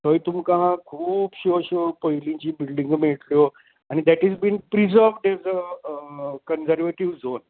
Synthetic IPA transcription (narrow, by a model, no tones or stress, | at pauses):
t̪əjt̪umkãɦãkʰuːpɕoɕopəjlĩt͡ɕiːbilɖĩŋɡmeɭt̪ljo | añid̪æʈɦɛzbĩnpɾizəɾʋɖɛzə | kənsəɾʋeʈiʋzon